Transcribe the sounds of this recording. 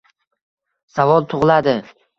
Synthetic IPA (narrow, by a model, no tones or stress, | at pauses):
savɒlˠt̪ʰʊʁlˠad̪ɪ